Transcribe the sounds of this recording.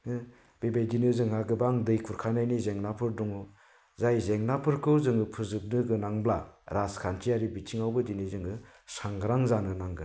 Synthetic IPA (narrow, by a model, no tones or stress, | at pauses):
ɯ | b̥ebejdinɯzɯŋɦaɡɯbaŋdɯjkʰuɾkʰanajnizeŋnapʰɯɾdɔŋɯ | zajzeŋnapʰɯɾkʰɯwzɯŋɯpʰɯzɯp̚nɯɡɯnaŋblaɾaskʰant͡ʃiaɾibit͡ʃʰiŋawbɯdinɯzɯŋɯ | saŋɡɾaŋzanɯnaŋɡɯ